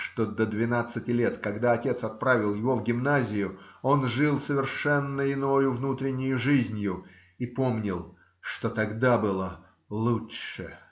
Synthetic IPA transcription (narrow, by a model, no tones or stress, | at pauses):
ʂt̪od̪əd̪vʲɪnat̪sɨtʲɪlʲet̪kɐɡd̪aɐtʲe̞t̪sɐt̪̚pɾavʲɪlˠjɪvo̞vɡʲɪmnazʲɪjʊo̞nʐɨlˠsəvʲɪrʂɛnːəɪnojʊvnut̪ɾʲɪnʲːʊjʊʐɨzʲnʲjʊ | ipo̞mnʲɪlˠ | ʂt̪o̞t̪ɐɡd̪abɨlˠə | lˠutʂɨ̰